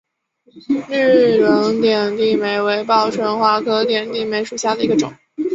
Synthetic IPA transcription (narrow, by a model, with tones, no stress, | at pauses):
ly˥˩lə˧˥ŋt̪jɛ˨˩nt̪i˥˩me˧˥ɪwe˧˥ɪpɑ˥˧˩ʊʈ͡ʂʰwə˧˥nxwa˧˥kʰɤ˥t̪jɛ˨˩nt̪i˥˩me˧˥ɪʂu˨˩ɕja˥˩d̪ə˩i˧˥ɡə˧ʈ͡ʂʊ̰˨˩˦ŋ